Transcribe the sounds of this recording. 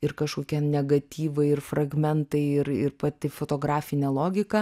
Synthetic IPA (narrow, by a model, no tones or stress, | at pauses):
ɪɾkɐʃkoːkʲɛnʲɛɡɐt̪ʲiːʋɐɪɪrfrɐɡmʲɛnt̪ɐɪɪɾɪ̰ɾpɐt̪ʲɪfoːt̪oːɡɾɑːfʲɪnʲɛlˠoːɡʲɪkɐ